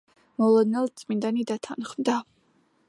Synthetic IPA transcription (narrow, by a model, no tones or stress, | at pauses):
mɔlˠɔd̪nɛlˠt̪sʼmind̪anid̪at̪ʰanχmd̪a